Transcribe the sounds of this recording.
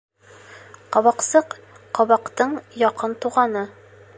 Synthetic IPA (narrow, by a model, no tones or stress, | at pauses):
qɒβɑqsɤq | qɒβɑqt̪ɤɴjɒqɤnt̪uʁɑnɤ